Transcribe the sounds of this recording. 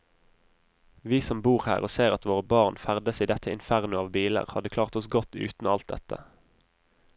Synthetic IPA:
ʋiːsɔmbuːʁhæ̰ːʁoːseːʁɑt̪ʋoːʁəbɑʁnfæʁd̪əsiːd̪ɛt̪ʰəɪ̰nfæʁnʊɑːʋbiːlə̰ʁhɑd̪əkʰlɑːʁt̪ɔsɡɔt̪ʉ̰ːt̪n̩ɑlt̪̚d̪ɛt̪ʰə̰

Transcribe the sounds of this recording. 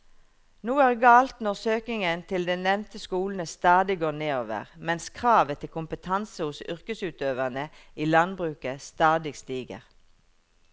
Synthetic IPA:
nuːæːʁɡɑːlt̪nɔʁsøːkɪŋənt̪ʰɪld̪ɛːnɛʋnt̪əskuːln̩əst̪ɑːd̪ɪɡoːʁneːoːʋə̰ʁmɛnskʰʁɑːʋət̪ʰɪlkʊmpət̪ʰɑnsəhʊsʏʁkəsʉːt̪øːʋəʁnəiːlɑnbʁʉːkəst̪ɑːd̪ɪɡst̪iːɡə̰ʁ

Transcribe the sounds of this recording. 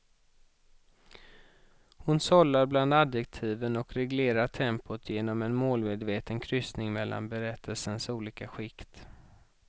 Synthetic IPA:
hʊnsɔlːaɾbland̪ad̪jɛk̚t̪ʰiːvənɔkɾɛɡleːɾaʈʰɛmpʊt̪ʰjeːnɔmɛnmoːlmeːd̪veːt̪ənkʰɾʏsnɪŋmɛlːa̰nbɛɾɛt̪ʰːəlsənsuːliːkaɧɪkt̪

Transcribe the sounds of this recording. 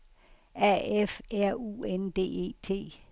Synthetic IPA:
æefæɐ̰ṵːend̥e̝̰ːe̝̰ːt͡sʰe̝̰ː

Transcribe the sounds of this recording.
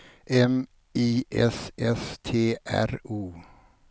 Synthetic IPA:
ʔɛm | iːʔɛ̰sʔɛst̪ʰeːʔæ̰ɾuː

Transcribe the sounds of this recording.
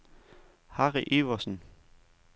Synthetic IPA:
hɑʁiʔe̝ʋɐsn̩

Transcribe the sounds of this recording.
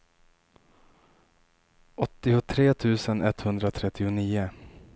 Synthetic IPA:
ɔt̪ːɪʊt̪ʰɾeːt̪ʰʉ̟ːsənɛt̪ːhɵnd̪ɾat̪ʰɾɛt̪ːɪʊniːʊ

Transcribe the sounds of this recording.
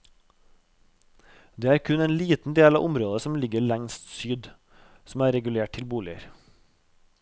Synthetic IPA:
d̪eːæːɾkʰʉneːnliːt̪n̩d̪eːlɑːʔʊmɾoːd̪əsɔmlɪɡəɭæŋst̪syːd̪ | sm̩æːɾɛɡʉleːʈ̚tʰɪlbuːlɪə̰ɾ

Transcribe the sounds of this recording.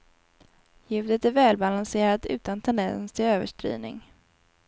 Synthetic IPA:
jʉ̟vd̪ət̪æɾvɛːlbalanseːɾat̪ʉ̟ːt̪ant̪ʰɛnd̪ɛ̰nsst̪ʰɪløːvə̰ʂʈɾy̰ːnɪ̰ŋ

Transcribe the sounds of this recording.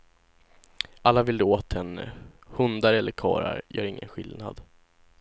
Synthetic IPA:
ʔalːavɪld̪oːt̪hɛnːə̰ | hɵnd̪aɾɛlːəɾkʰɑːɾaɾjœːɾɪŋːənɧɪlnad̪

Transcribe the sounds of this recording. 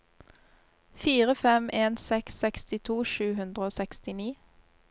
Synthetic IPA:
fiːʁəfɛmeːnsɛksːɛkst̪ɪt̪ʰuːʃʉːhʉnd̪ʁəoːsɛkst̪ɪniː

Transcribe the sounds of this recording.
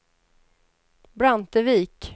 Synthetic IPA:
bɾant̪əviːk

